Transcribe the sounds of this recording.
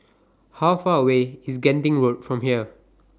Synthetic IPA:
hawfaəweisɡɛ̃ntĩŋɹot̚fɹɔ̃mhiə

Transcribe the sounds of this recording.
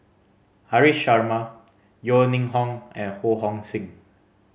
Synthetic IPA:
haɹiʃaɹma | jɔnĩŋɦɔ̃ŋɛ̃nhoɦɔ̃ŋsĩŋ

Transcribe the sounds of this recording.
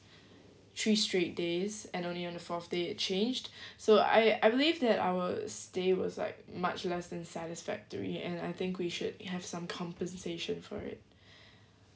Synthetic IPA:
t̪ʰɹistɹet̚dezɛ̃nõnliɔ̃nðəfɔθd̥eɪt̚t͡ʃʰẽnd͡ʒdsoa̰ɪaɪbɪlivðɛta̰ʊəstewɔ̰zla̰ɪk̚mat͡ʃlɛsdɛ̃nsæɾɪsfæ̰k̚təɹḭɛ̃naɪθɪ̃ŋkwiʃʊd̚hɛv̥sãmkʰɔ̃mpə̃nseʃə̃nfɔ̰ɹɪ̰t̚

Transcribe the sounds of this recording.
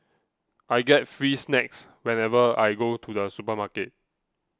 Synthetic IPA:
ʔajɡɛt̚fɹisnɛks | wɛ̃nɛvəajɡotʰudəsupəmaket̚

